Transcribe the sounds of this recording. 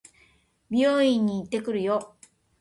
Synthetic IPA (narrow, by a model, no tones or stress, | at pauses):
bʲioːĩɲ̟ːiːt̪ːe̞kɯ̟ɾɯ̟jo